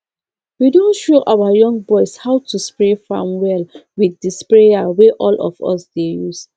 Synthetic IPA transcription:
widõntʃoʔawajɔ̃ŋɡ̚bɔɪshawtʰuspɹefã̰mwɛlwiθdispɹejaweʔɔlʔɔ̰fɔ̰sdejus

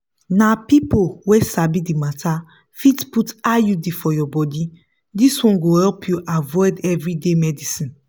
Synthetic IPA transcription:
napipolwesabidimatʰa | fitputajudifɔjɔbɔdi | diswɔ̃nɡohɛlpʰjuʔavɔɪdɛvɹidemɛdisĩn

